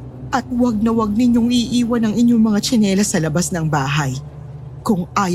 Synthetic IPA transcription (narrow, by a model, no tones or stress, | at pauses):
ʔɐt̪̚wɐɡ̚nɐwɐɡ̚nɪɲjoŋiʔiːwɐnɐŋɪɲo̞ŋmɐŋat͡ʃɪnɛːlɐsɐlɐbasnɐŋbaːɦɐj | kʊŋʔaːj